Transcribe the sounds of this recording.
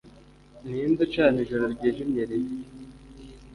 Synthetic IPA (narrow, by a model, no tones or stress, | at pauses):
nind̪ut͡ʃaːneʒoɾaɾɟeʒimɲeɾi